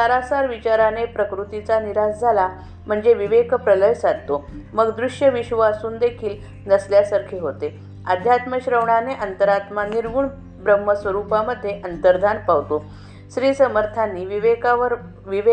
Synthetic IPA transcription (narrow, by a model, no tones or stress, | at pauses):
saɾasaɾʋit͡ɕaɾanepɾəkɾut̪it͡saniɾasd͡zʱala | m̤əɳd͡zeʋiʋekpɾələjsad̪̚t̪oməɡd̪ɾuʂjəʋiɕʋasuːnd̪ekʰiːl | nəsljasaɾkʰeɦot̪e | əd̪ʱjat̪məɕɾəʋɳaneʔənt̪əɾat̪maniɾʋuːɳ | bɾəmːəsʋəɾupaməd̪ʱːjeʔənt̪əɾd̪ʱanpaʋt̪o | sɾiːsəməɾt̪ʰanːiːʋiʋekaʋəɾ | ʋiʋe